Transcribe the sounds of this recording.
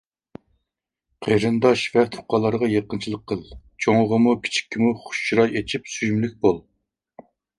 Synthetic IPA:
qʰeɾɨnd̪ɑʃvɛt̪ʰʊ̥qːɑlˠːɑɾʁɑjeqənt͡ʃʰilˠəqʰːəlˠt͡ʃʰoŋʁəmukʲʰi̥t͡ʃʰi̥kʲːimuχʊ̥ʃt͡ʃiɾɑjet͡ʃʰipsyjmlyk̚ʲbolˠ

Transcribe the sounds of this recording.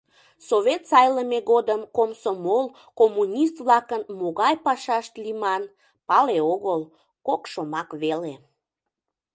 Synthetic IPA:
soβʲet̪sɑjləmeɣod̪əmkomsomol | komːunʲist̪βlɑkənmoɣɑjpɑʃɑʃt̪limɑn | pɑleoɣəl | kokʃomɑkβele

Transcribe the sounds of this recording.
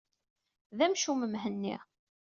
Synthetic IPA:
ðæmʃuməmɦənːḭʁ

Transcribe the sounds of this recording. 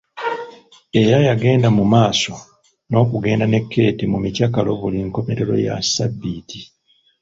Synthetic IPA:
e̞ɾajaɡe̞ːndamumaːso̞ | no̞ːkuɡe̞ːndane̞kʰːe̞ːtimumicakalo̞βuliŋko̞meɾeɾo̞̰ja̰sabːiːtʰi

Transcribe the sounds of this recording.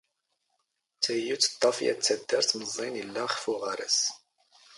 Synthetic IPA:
t͡sʰɛjut͡sʰt̪ːɑfjɛ̰t͡sʰɛd̪ɛɾt͡sʰməzɛnilːɑχfuʁɑɾɛs

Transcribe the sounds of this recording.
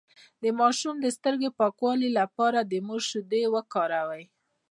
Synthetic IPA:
d̪əmɑʃumd̪əst̪əɾɡepɑkwɑlilapɑɾad̪əmoʒʃʊd̪ewəkɑɾawaj

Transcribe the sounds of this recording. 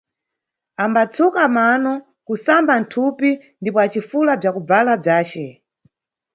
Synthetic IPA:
ambat͡sʰukamanɔ | kusambantʰupi | ndipɔat͡ʃifulab͡ʐakub͡valab͡ʐaːt͡ʃɛ

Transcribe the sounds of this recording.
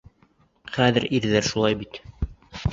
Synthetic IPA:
χæðɘɾiɾðæɾʃulˠɑjbit̪

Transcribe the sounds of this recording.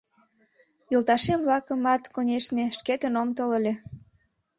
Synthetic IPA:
jolt̪ɑʃemβlɑkəmɑt̪konʲeʃneʃket̪ənomt̪oləlʲe

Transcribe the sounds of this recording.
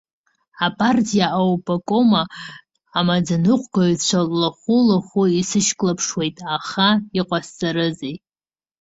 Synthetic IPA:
apʼartʰʼijaʔawpʼakʼomaː | mad͡zanɨqʷʰʼɡat͡ɕʷʰalːaχʷulaχʷuisɨʃkʼlapʰʂwe̞jtʼaχaiqʷʼast͡sʼaɾɨzej

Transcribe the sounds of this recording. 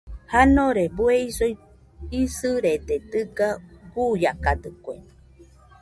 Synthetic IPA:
hanoɾebueisoj | isɨɾed̪ed̪ɨɡaɡujakad̪ɨkʷḛ

